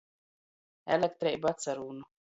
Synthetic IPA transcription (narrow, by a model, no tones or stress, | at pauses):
ɛlɛk̚t̪ɾɛjbat̪saɾuːnu